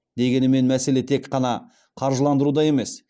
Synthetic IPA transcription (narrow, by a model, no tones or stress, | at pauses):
d̪e̞ɡʲe̞nɪme̞nmæse̞le̞t̪ʰe̞kqɑnɑ | qʰɑɾʒəlˠɑnd̪əɾud̪ɑje̞me̞s